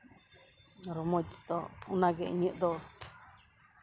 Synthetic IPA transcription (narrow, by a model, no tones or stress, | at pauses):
ɾomõt̪it̪ounãkeʔɲɨ̃ʔd̪o